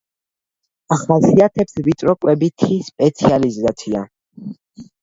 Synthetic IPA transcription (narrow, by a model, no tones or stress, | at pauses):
aχasiat̪ʰɛpsvit̪ʼɾɔkʼwɛbit̪ʰispʼɛt̪sʰializat̪sʰia̰